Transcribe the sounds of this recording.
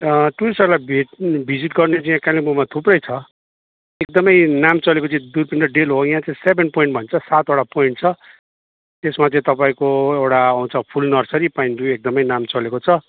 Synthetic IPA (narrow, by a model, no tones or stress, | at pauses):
ʈusʌɾlabʱeʈbʱid͡ziʈɡʌrnet͡saĩãkalibumat̪ʰuprʌjt͡sʰʌ | ek̚d̪ʌmʌjnamt͡sʌlekot͡sãĩd̪urpiɳɖʌɖelɦoj̃ɦãt͡saĩsebʱenpoĩɳʈbʱʌnt͡sʰʌsat̪oɽapoiɳʈ̚t͡sʰʌ | t̪esmat͡sãĩt̪ʌpaĩkoewʈaaw̃t͡sʰʌpʰulnʌrsʌɾipainʈruek̚d̪ʌmʌjnamt͡sʌlekot͡sʰʌ